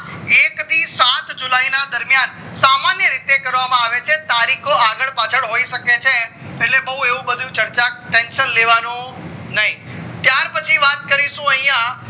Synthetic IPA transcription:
ekt̪isat̪d͡ʒulainad̪əɾmjan | samanjəɾit̪ekəɾʋamãaʋet͡ʃʰet̪aɾikʰoaɡəɭpat͡ʃʰəɭɦoiʃəket͡ʃʰe | eʈlebəɦũeʋũbəd̪ʱũt͡ʃəɾt͡ʃaʈenʃənleʋanũnəɦĩt̪jaɾpət͡ʃʰiʋat̪̚kəɾiʃũəɦĩjã

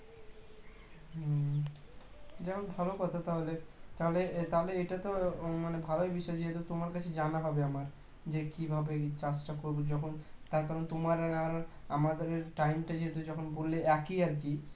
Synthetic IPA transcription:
d͡ʑɛmʰonbʱalokɔt̪ʰat̪aɦolet̪aɦolet̪aɦoleeʈat̪omanebʱaloebiʃɔed͡ʑiɦet̪ot̪omaɾkat͡ɕʰed͡ʑanaɦɔbeamaɾ | d͡ʑekibʱabet͡ɕasʈakoɾbod͡ʑɔkʰont̪aɾkaɾot̪omaɾanakaɾonamad̪eɾeɾʈajmʈad͡ʑiɦet̪od͡ʑɔkʰonbolːeɛkiaɾki

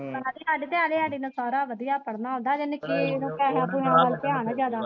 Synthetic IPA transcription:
ənad̪iaːɖiːt̪eaːleːaːɖiːnãːsaːɾaːʋəd̪ijaːpəɽnaːɦõːnd̪aːd͡ʒɪnkɪnũːkaːɦaːpʊãːaːlpeaːnãːd͡ʒjaːd̪aː

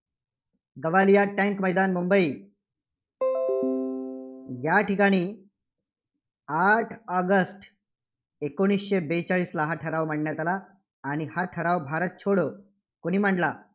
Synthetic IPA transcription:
ɡəʋalijaʈɛ̃ŋkməɦjd̪anmumbəiː | jaʈikaɽ̃iː | aʈʰəɡəsʈ | ekoɽ̃isɕebet͡saɭiːslaɦaʈʰəɾaʋməʈɳjat̪alaː | ɽ̃ihaʈʰəɾaʋbʱaɾət̪̚t͡ɕʰoɽə | koɽ̃iːm̤aɳɖla

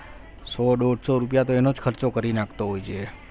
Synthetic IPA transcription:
soɖoɖsoɾup̬jat̪oenod͡ʒkʰəɾt͡ʃokəɾinakʰt̪oɦojt͡ʃʰe

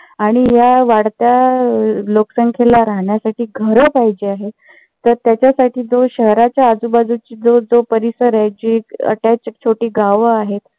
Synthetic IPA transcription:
aɽ̃iɦjaʋaɽt̪ja | loksəŋkʰelaɾaɦɳjasaʈiːɡʱəɾəpaɦid͡ʑeaɦe | t̪ːəɾt̪jat͡ɕjasaʈʰiːd͡zoɕəɦɾat͡ɕjaːd͡zubad͡zut͡ɕiːd͡zod͡zopəɾisəɾaɦjd͡ʑikə̰ʈat͡ɕt͡ɕʰoʈiːɡaʋəaɦet̪

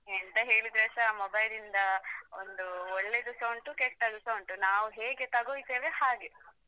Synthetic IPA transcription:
ent̪ɐɦe̞ːɭid̪ɾesɐmobɐjlind̪ɐo̰nd̪uɔɭːed̪usɐwɳʈukɛʂʈːɐd̪usɐwɳʈunaːʋuɦe̞ːɡet̪ɐɡoːjt̪eːʋehaːɡe

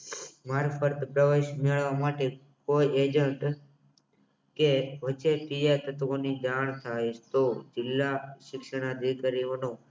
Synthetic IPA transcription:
maɾfəɾt̪pɾəʋeʃmeɭʋamaʈe | koied͡ʒəɳʈ | keʋət͡ʃʰepijet̪ət̪ʋonid͡ʒaɳ̃t̪ʰajʃt̪od͡ʒɪlːaʃɪkʃəɽ̃əd̪ʱikaɾionõ

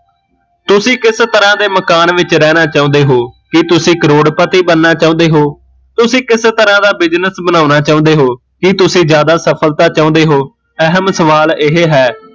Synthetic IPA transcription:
t̪ʊsĩːkɪst̪əɾãːd̪eːməkaːnʋɪt͡ʃɾɛːnaːt͡ʃaːʊ̃ːnd̪eːɦoːkɪt̪ʊsĩːkəɾoːɽpət̪iːbənːaːt͡ʃaːʊ̃ːnd̪eːɦoː | t̪ʊsĩːkɪst̪əɾãːd̪aːbɪd͡ʒnəsbənãːnaːt͡ʃaːʊ̃ːnd̪eːɦoː | kɪt̪ʊsĩːd͡ʒjaːd̪aːsəpʰəlt̪aːt͡ʃaːõːnd̪eːɦoː | əɦəmsəʋaːlɪɦeːɦɛː

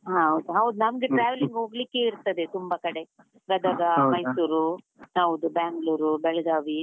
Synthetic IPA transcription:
ɦãɦɐwd̪uɦɐwd̪unɐmɡe̞ʈɾaːʋeliŋɡɦo̞ːɡlike̞iɾt̪ɐd̪e̞t̪umbɐkɐɽe̞ | ɡɐd̪ɐɡamɐjsuːɾu | ɦɐwd̪ubaːŋɡluːɾubɛɭɐɡaːʋi

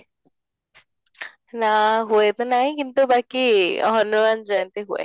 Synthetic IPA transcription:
naɦuet̪ɔnaɦĩkint̪ubakiɦɔnumanzɔjnt̪eɦuḛ

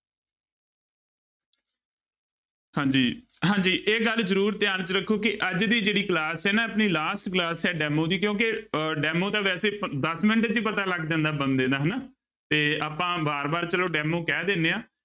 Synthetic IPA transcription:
hãːd͡ʒiːɦãːd͡ʒiːʔeːɡəlzəɾuːɾt̪ɪjaːnt͡ʃəɾəkʰːoːkɪʔəd͡ʒd̪iːd͡ʒeːɽiːklaːsɛːnaːəpniːlaːsʈklaːsɛːɖɛːmõːd̪iːkjõːkɪɖɛːmõːt̪ãːʋɛːseːd̪əsmɪnəʈːd͡ʒ̪iːpət̪aːləɡd̪ɛ̃ːnd̪aːbənd̪ẽːd̪aːɦənaː | t̪eːaːpãːbaːɾbaːɾt͡ʃəloːɖɛːmoːkɛːd̪eːnːeːãː

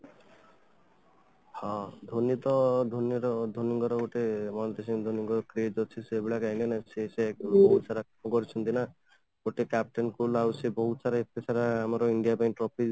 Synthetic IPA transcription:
hɔ̃d̪ʱonit̪ɔd̪ʱonjɔɾɔd̪ʱoniŋɡɔɾɔɡoʈemɔnd̪esimd̪ʱoniŋɡɔkɾed͡ʒɔt͡ʃʰisebiɭakaĩlenasesebɔɦut̪saɾakmɔkɔɾit͡ʃʰɔnt̪ina | ɡoʈekap̚ʈɔnkulawsebɔɦut̪saɾaet̪esʰaɾaːmɔɾɔiɳɖijabajnʈɾɔpʰi

